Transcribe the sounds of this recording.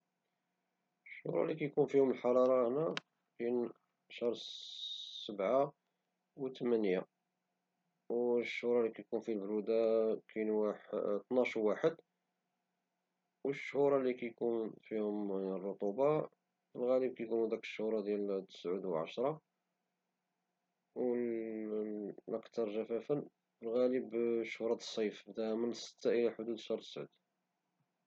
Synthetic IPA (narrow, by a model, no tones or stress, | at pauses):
əʃːhṵɾˤɑ̰likæjkunfihʊməlħɑɾˤɑɾˤɑhnæ | kæn | ʃɑɾˤ | səbʕa | wt̪əmænja | wʃːhuɾˤɑlikæjkunfilbɾud̪akʰænuwt̪nɑʃwwaħəd̪ | wəʃːhuɾˤɑlikæjkunfihʊmərˤːot̪ˤubɑ | fəlɣæləb̚kæjkunud̪ækə̥ʃːhuɾˤɑd̪jælt̪ːə̥sʕud̪wəlʕa̰ʃɾˤɑ | w | lʔəkt̪ɑɾˤʒæfæfən | fəlɣæləbʃhuɾˤɑt̪ə̥sˤːɑjfd̪æhmənəsːə̥t̪ːaʔəlæħʊd̪ud̪ʃɑɾˤt̪ə̥sʕṵd̪